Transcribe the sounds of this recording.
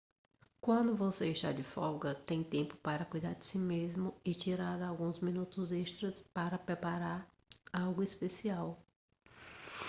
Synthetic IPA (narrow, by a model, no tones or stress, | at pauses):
kwɐ̃nd̪ʊvoseeʃt̪a̰ɾd͡ʒɪfɔɡɐt̪ẽj̃t̪ẽmpʊ̥paɾɐkujd̪aɾd͡ʒɪsimezmʊɪt͡ʃiɾaɾawɡũzmĩnut̪ʊzeʃt̪ɾɐspaɾɐpɾepaɾaɾ | awɡʊispesiaw